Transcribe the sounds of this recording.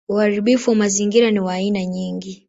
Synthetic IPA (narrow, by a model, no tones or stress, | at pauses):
uhaɾiɓifuamaziŋɡiɾaniwaːinaɲiːŋɡi